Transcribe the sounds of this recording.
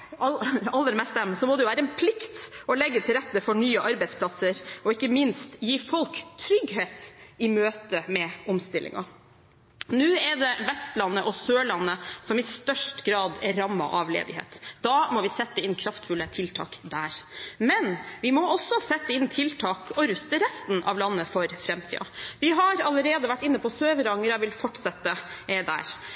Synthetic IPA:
ɑɑlːəɾmɛst̪ɛmsɔmɔd̪ɛjʊʋæːɾəɛnpʰlɪkt̪ɔlɛɡːət̪ʰɪlɾɛt̪ːəfɔɳyːəʔɑɾbɛɪsplɑsəɾɔɪkːəmɪnst̪jiːfɔlkt̪ʰɾʏɡɦeːt̪ɪmøːt̪əmɛɔmst̪ɪlʔɪ̰ŋɑ̰ | nʉːɛd̪ɛʋɛst̪lɑnːəʔɔsøːɭɑnːəsɔmɪst̪œʂʈɡɾɑːd̪ɛɾɑmːɑ̰ʔɑʋlḛːd̪ɪhḛːt̪d̪̥ɑmɔʋɪsɛt̪ːəɪnːkʰɾɑft̪fʉlət̪ʰɪlt̪ʰɑ̰ːkd̪æːɾmɛnʋɪmɔɔsːɔsɛt̪ːəɪnːt̪ʰɪlt̪ʰɑːkɔɾʉst̪əɾɛst̪nʔɑ̰ʋlɑnːəfɔɾfɾɛmt̪ʰḭːɑ̰ʋɪɦɑɾɑləɾeːd̪əʋæʈːɪnːəpʰɔsøːʋəɾɑŋːəɾɑʋɪlfɔʈsɑt̪ːəɛd̪æ̰ːɾ

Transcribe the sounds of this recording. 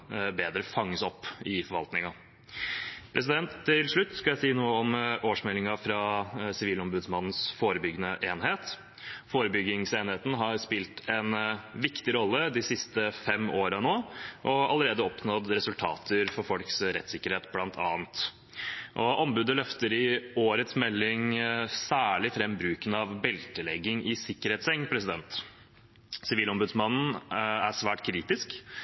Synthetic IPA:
beːd̪ɾəfɑŋːəsɔpːɪfɔɾʋɑlt̪nɪŋɑ | pʰɾʔɛs̬ɪd̪ɛnt̪ʰːɪlʂɭʉt̪ːskɑljæɪsiːnuːəɔmʔoːʂmɛlːɪŋɑfɾɑsɪʋiːlɔmbʉd̪smɑnn̩sfoːɾəbʏɡənəʔeːnɦeːt̪ | foːɾəbʏɡɪŋseːnheːt̪n̩ɦɑɾspɪlt̪ʰɛnʋɪkt̪ɪɾɔlːəd̪ɪsɪst̪əfɛmːoːɾənoːʔɔɑ̰ləɾeːd̪əɔpnɔd̪ɾɛsʉlt̪ʰɑ̰ːt̪ʰəɾfɔɾfɔlksɾɛ̰t̪ːsɪkːəɾheːt̪blɑnt̪ʰɑ̰ːnt̪ | ʔɔʔɔmbʉːd̪əlœft̪əɾɪoːɾət̪smɛlːɪŋsæːɭɪfɾɛmbɾʉːkənɑʋbɛlt̪əlɛɡːɪŋʔɪsɪkːəɾheːt̪sɛŋːpʰɾɛsɪd̪ɛnt̪ | sɪʋiːlɔmbʉd̪smɑnn̩æʂʋæːʈkʰɾiːt̪ɪsk

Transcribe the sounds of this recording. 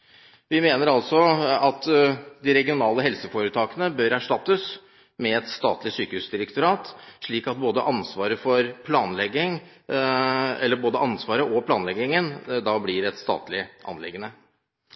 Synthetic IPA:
ʋɪmeːnəɾɑlsɔɑt̪d̪ɪɾɛɡɪʊnɑːləhɛlsəfoːɾət̪ʰɑːkənəbœɾæʂʈɑt̪ːəs | mɛɛt̪st̪ɑːt̪lɪsyːkəhʉːsd̪ɪɾəkt̪ʊɾɑːt̪ʂɭiːkɑt̪̚boːd̪əʔɑnsʋɑːɾəfɔɾpʰlɑːnlɛɡɪŋ | ɛlːəɾboːd̪əʔɑnsʋɑːɾəʔɔpʰlɑːnlɛɡɪŋənd̪ɑːblɪɾɛt̪st̪ɑ̰ːt̪lɪʔɑ̰nlɪ̰ɡənə

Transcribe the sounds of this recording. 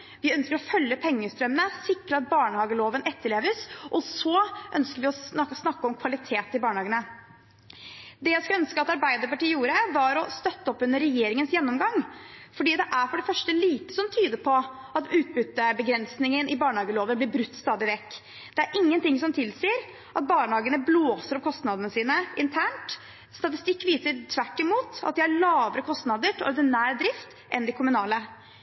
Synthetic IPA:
ʋɪœnskəɾɔfœlːəpʰɛŋːəst̪ɾœmənəsɪkɾəɑt̪̚bɑːɳəhɑːɡəloːʋənɛt̪ːəɭeːʋəsʔɔsɔʔœnskəɾʋɪɔɑɔsnɑkːəɔmkʰʋɑlɪt̪ʰeːt̪ɪbɑːɳəhɑːɡənə | d̪ɛjæɪskɑœnskəɑt̪ɑɾbæɪd̪əɾpɑʈiːəjuːɾəʋɑɾɔst̪œt̪ːəɔpːʉnːəɾːɛjeːɾɪŋənsjɛnːɔmɡɑŋfɔɖiːd̪ɛʔæɾfɔɖɛfœʂʈəliːt̪ə̥sɔmt̪ʰyːd̪əpʰɔ | ʔɑt̪ʉːt̪̚bʉt̪ːəbəɡɾɛnsnɪŋənɪbɑːɳəhɑːɡəloːʋəblɪɾbɾʉt̪ːst̪ɑːd̪ɪʋɛkː | d̪̥ɛæɾʔɪŋːənt̪ɪŋsɔmt̪ʰɪlseːəɾ | ʔɑt̪̚bɑːɳəhɑːɡənəbloːsəɾɔpkʰɔst̪nɑd̪ənəsiːnəɪnt̪ʰæːɳʈ | st̪ɑt̪ɪst̪ɪkːʋiːsəɾt̪ʰʋæʈːɪmuːt̪ɑ̰t̪̚d̪ɪæɭɑːʋəɾəkʰɔst̪nɑd̪əʈɔ̰ɾd̪ɪnæːɾd̪ɾɪft̪ | ʔɛnd̪ɪkʰʊmʉnɑːlə

